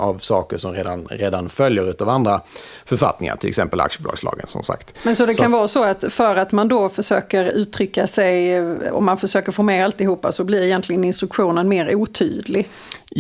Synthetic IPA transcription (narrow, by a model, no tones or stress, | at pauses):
avsɑːkəʂɔmɾeːd̪anɾeːd̪anfœljəɾʉ̟ːt̪avand̪ɾa | fœɾfa̰t̪nɪŋa̰ʈ̪ʰɪlɛ̰ksɛmpəla̰kʂəbʊlɑ̰ːɡslɑ̰ːɡənsɔ̰msa̰ktt̪mɛnsɔd̪ɛkʰanvɑːsɔat̪fœɾat̪mand̪ɔfœʂøːkəɾʉ̟ːt̪ʰɾʏkːasɛjɔ̰mːanfœʂøːkəɾfɔːɾmeːalt̪ɪɦuːpːa̰sɔblɪɾɛjɛnt̪lɪɡənɪnst̪ɾɵkɧuːnənmeːɾuːt̪ʰy̰ːd̪lɪɡ